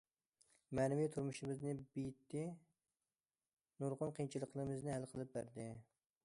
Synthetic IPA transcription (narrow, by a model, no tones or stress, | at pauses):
mɛnɪvijt̪ʰuɾmuʃɪmɪznɪbijt̪ːɪ | nuɾʁʊnqʰint͡ʃʰilˠəqlˠəɾɨmɨznɪhælˠqʰəlˠɨp̚bæɾd̪ɪ